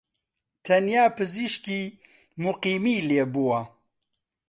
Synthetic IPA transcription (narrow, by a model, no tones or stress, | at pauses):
t̪ʰɐnjaːpɨziʃkiː | muqiːmiːleːbuwɐ